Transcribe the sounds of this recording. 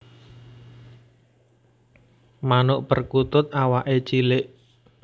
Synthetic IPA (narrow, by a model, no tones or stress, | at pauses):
manʊʔpərkut̪ʊt̪̚awaʔet͡ʃilɪʔ